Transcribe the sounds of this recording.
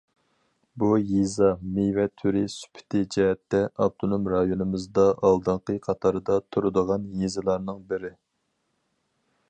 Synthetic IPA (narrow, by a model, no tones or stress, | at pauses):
bujezɑmevɛt̪ʰyɾɪsy̥pʰɪ̥t̪ʰɪd͡ʒɛɦɛt̪ːɛɑb̚t̪ʰonomɾɑjonɨmɨzd̪ɑɑlˠd̪ɨɴqəqʰɑt̪ʰɑɾɨd̪ɑt̪ʰuɾɨd̪əʁɑnjezɨlˠɑɾnɨŋbɪɾɪ